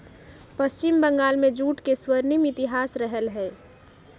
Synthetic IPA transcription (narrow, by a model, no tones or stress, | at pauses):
pəst͡ʃɪmbə̃ŋɡaːlmẽd͡ʒuːʈkeswəɾnimɪt̪ɪɦaːsɾəɦəlɦɛː